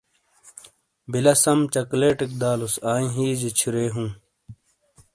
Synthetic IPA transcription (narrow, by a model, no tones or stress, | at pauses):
bilɐsɐmt͡ɕɐkleːʈik̚d̪aːlusaːĩɦiːd͡ʑit͡ɕʰuɾeːɦũː